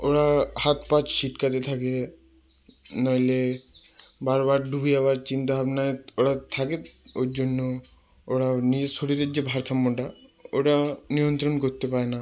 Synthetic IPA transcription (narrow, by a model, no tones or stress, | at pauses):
oɾahat̪pat͡ɕʃiʈkat̪̬et̪ʰake | nale | baɾbaɾɖubiabaɾt͡ɕint̪ababenajoɽat̪ʰakeoɾd͡ʑonːo | oɾanid͡ʑesoɽiɾeɾd͡ʑebʱaɾt̪ʰamːoʈaoʈanijont̪ɾonkoɾt̪epaɾena